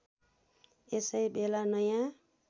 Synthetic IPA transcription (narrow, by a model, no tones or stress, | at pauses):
esʌjbelanʌjã